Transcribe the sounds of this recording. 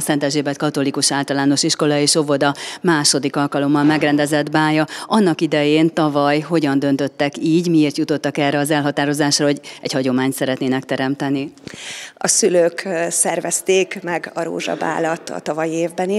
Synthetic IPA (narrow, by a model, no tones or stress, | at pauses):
sɛnt̪ɛʒeːbɛt̪̚kɒt̪o̞likuʃaːlt̪ɒlaːno̞ʃiʃko̞lɒeːʃo̞vo̞d̪ɒmaːʃo̞d̪ikɒlkɒlo̞mːɒlmɛɡrɛnd̪ɛzɛd̪baːjɒɒnːɒkid̪ɛjeːnt̪ɒvɒjɦo̞ɟɒnd̪ø̞nt̪ø̞t̪ːɛkiːɟmieːrt̪jut̪ot̪ːɒkɛrɛɒzɛlɦɒt̪aːɾo̞zaːʃrɒɦo̞ɟɛɟhɒɟo̞maːɲt̪sɛɾɛt̪neːnɛk̚t̪ɛɾɛmt̪ɛni | ɒsyløːksɛrvɛst̪eːkmɛɡɒɾo̰ːʒɒ̰ba̰ːlɒt̪ːɒ̰t̪ɒvɒjieːvbɛni